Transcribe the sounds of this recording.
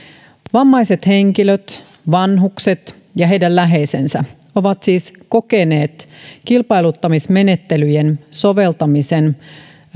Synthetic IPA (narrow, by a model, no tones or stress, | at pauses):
ʋɑmːɑjse̞t̪he̞ŋkiløt̪ | ʋɑnɦukse̞t̪ | jɑɦe̞jdællæɦe̞jsensæ | o̞ʋɑt̪siːsko̞ke̞ne̞ːt̪kilpɑjlut̪ːɑmisme̞ne̞t̪ːe̞lyjenso̞ʋe̞lt̪ɑmise̞n